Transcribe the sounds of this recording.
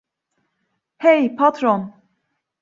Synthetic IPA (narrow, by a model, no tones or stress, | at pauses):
hejpʰat̪ʰɾon